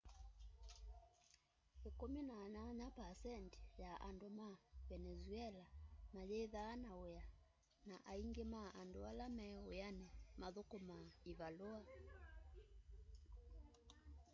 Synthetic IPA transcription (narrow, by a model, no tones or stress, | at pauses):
ekominaɲaɲapasɛnti̥jaʔandomavɛnɛzuɛlamalɛðaːnaoja | naʔaiŋɡemaʔandoalamɛojanɛmaðokomaiβaloa